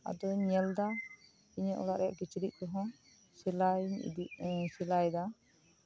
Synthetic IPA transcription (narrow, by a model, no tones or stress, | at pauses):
a̰d̪ɔɲɛld̪a | iɲəʔɔ̰laʔɾɛja̰ʔkit͡ʃɾiʔ̚kɔɦɔ̃ | silajɲ̰d̪isilajd̪a